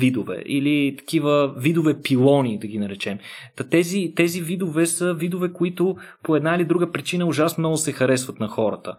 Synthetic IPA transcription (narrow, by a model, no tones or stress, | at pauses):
vid̪ovɛ̰ʔilit̪ɐ̥k̟ivəvid̪ovɛpilˠɔnid̪ɐɡinɐɾɛt͡ʃɛmt̪ɐt̪ɛzit̪ɛzivid̪ovɛsəvid̪ovɛkoit̪ʊpoɛd̪nailid̪ɾuɡəpɾit͡ʃinəʊʒasnmnɔɡʊsɛxɐɾɛsvət̪nɐxɔɾə̰t̪ə̰